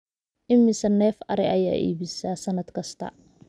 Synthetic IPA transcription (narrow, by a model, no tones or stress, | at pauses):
ʔɪmːɪsɐnːɛːfɐɾɛʔɐja̰ːʔḭːβɪsaːsɐnɐd̪kʰɐst̪ʰɐ̰